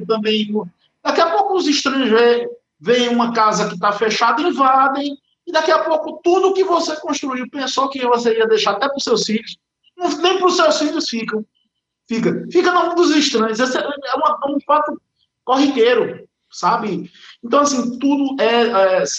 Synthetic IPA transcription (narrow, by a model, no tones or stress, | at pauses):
t̪ɐ̃bẽj̃ũmɐ | d̪̥akiɐpowkʊːziʃt̪ɾɐ̃jʊzvẽ | vẽj̃ũmɐkazɐkɪt̪afeʃad̪ɐĩvad̪ẽj̃ | ɪd̪akiapowkʊt̪ud̪ʊːkɪvosekõʃt̪ɾuiwpẽsokɪvos̬eiɐd̪ejʃaɾat̪ɛpɾʊsewsfiʎʊs | nɐ̃nẽj̃pɾʊsewsfiʎʊsfikɐ̃w̃ | fik̬ɐfikɐnamũd̪ʊziʃt̪ɾɐ̃j̃ʊzɛseɛũmɐ̃ũpat̪ʊ | koɦikeɾʊ | sabɪẽnt̪ɐ̃w̃asĩt̪ud̪ʊɛɛs